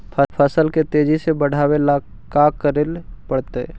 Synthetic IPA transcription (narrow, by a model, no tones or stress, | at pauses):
pʰəpʰəsəlket̪ed͡ʒʱisebəɽ̤ʱawela | kakəɾelpəɽt̪ḛ